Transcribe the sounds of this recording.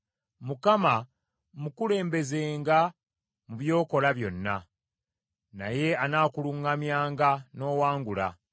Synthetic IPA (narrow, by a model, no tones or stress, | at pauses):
mukama | mukule̞ːmbe̞ze̞ːŋɡa | muβjo̞ːko̞laβjo̞nːa̰ | na̰je̞anaːkuluŋːamjaːŋɡano̞ːwaːŋɡula̰